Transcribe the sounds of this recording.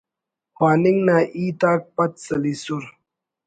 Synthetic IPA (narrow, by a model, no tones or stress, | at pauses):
haːniŋɡnaːʔiːt̪aːk̚pɐt̪sɐlisuɾ